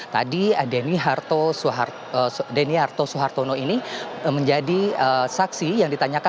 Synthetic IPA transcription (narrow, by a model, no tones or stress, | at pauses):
t̪a̰dideniɦart̪osuɦar | deniɦart̪osuɦart̪onoiniməɲd͡ʒadiəsaksijaŋdit̪aɲaka